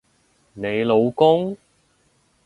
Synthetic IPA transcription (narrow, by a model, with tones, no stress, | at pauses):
ne˨˧jlo˨˧wkʊ˥ŋ